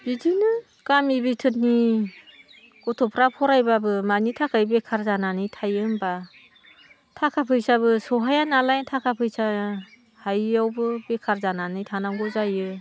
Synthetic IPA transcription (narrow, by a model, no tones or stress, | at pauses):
bidinɯ | kamibitʰɯt̚ni | ɡɔtʰɔpʰɾapʰɔɾajbabɯmanitʰakʰajbekʰaɾzananɯjtʰajɯnba | tʰakʰapʰɯjsaβɯsɔɦajanalajntʰakʰapʰɯjsa | hajawbɯbekʰaɾzananɯjtʰanaŋɡɔzajɯ